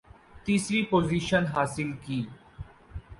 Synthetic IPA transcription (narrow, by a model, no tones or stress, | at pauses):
t̪iːsɾipoːziːʃənɦaːsɪlkiː